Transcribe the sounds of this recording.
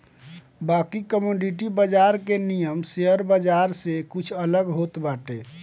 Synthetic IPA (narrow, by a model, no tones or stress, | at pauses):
bakikəmoɖiʈibəd͡ʒaɾkenijəmseəɾbəd͡ʒaɾsekut͡ʃʰələɡɦot̪baʈe